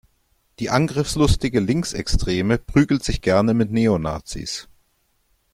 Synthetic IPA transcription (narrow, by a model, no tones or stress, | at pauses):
d̥iːʔanɡʁɪfslʊstɪɡəlɪŋksɛkstʁ̥eːməpʁ̥yːɡl̩tz̥ɪçɡ̥ɛɐnəmɪtneːona̰ːt͡sḭːs